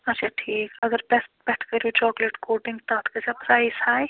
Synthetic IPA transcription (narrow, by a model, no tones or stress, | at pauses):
ɐtːʃʰaʈʰiːkɐɡəɾbɛsʈbɛːʈʰkɐɾot͡ʃɔːkleʈkoːʈɪ̃ŋɡt̪at̪ʰkɐsapɐsaːisaːj